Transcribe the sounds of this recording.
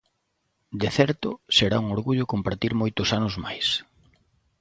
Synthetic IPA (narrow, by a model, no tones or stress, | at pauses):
d̪eθɛɾt̪ʊseɾauŋoɾɣuʎʊkompaɾt̪iɾmojt̪ʊsanʊzma̰js